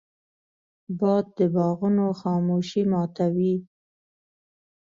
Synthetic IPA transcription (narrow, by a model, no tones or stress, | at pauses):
bɑd̪̚d̪əbɑɣunoxɑmoʃimɑt̪awi